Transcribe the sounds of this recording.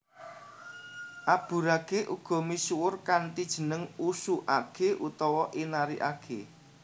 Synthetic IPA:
ʔab̥ṳɾakeʔuɡ̥ɔ̤misuwʊrkant̪id̥ʒ̥ə̤nəŋusuʔakeʔut̪ɔwɔʔinaɾiʔakʰe

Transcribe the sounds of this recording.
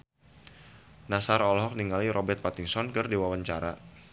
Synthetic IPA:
nasaɾɔlɦɔk̚niŋaliɾʔɔbɛrt̪̚pat̪iŋsɔnkɨrdiwawaɲt͡ʃaɾa

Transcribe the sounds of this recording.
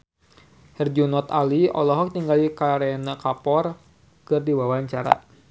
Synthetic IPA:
hɛrd͡ʒunɔt̪aliɔ̰lɔɦɔk̚t̪iŋɡalikaɾenakapɔr | kɨrdiwawaɲt͡ʃaɾa̰

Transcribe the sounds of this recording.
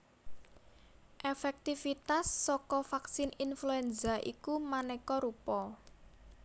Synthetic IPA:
ʔefɛk̚t̪ifit̪asːɔkɔfaksɪninfluɛnzaʔḭkumanɛkɔɾupɔ

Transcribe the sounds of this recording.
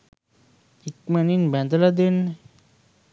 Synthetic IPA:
ikmɛninbɛnd̪alad̪in

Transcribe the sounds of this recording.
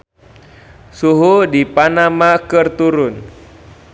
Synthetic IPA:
suɦudipanamakɨrt̪uɾʊn

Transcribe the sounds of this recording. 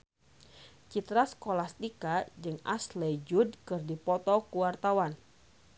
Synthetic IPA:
t͡ʃit̪ɾaskolast̪ikad͡ʒɨŋa̰slɛjd͡ʒudkɨrdipɔt̪ɔkuwart̪awan

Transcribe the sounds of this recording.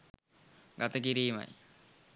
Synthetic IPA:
ɡat̪əkiɾiːma̰j

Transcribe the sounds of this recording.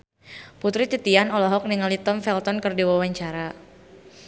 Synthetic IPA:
put̪ɾit̪it̪ianɔlɔɦɔk̚niŋalit̪ɔmfɛlt̪ɔnkɨrdiwawaɲt͡ʃaɾa

